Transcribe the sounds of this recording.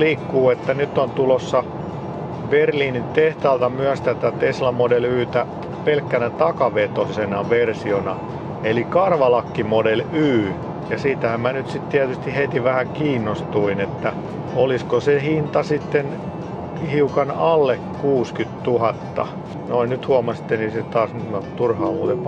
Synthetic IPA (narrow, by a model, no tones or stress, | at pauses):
liːkːuːet̪ːænyt̪ːont̪ulosːɑ | berliːnit̪eht̪ɑːlt̪ɑmyæst̪æt̪æt̪eslɑmodelyːt̪æ | pelkːænæt̪ɑkɑʋet̪osenɑʋersionɑ | elikɑrʋɑlɑkːimodelyː | jɑsiːt̪æhæmmænyt̪sit̪t̪iæt̪yst̪ihet̪iʋæhækiːnːost̪uinet̪ːæ | oliskosehint̪ɑsit̪ːen | hiukɑnɑlːekkuːskyt̪t̪uhɑt̪ːɑ̰ | noinnyt̪huɑmɑsi̥t̪ːeniset̪ɑːsnyt̪mot̪urhɑːuːt̪e